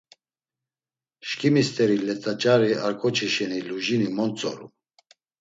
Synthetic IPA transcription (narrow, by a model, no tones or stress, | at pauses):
ʃkʰʼimist̪ʼɛɾilɛt̪ʼat͡ʃʼaɾiaɾkʰʼɔt͡ʃʰiʃɛniluʒinimɔnt͡sʼɔ̰ɾṵ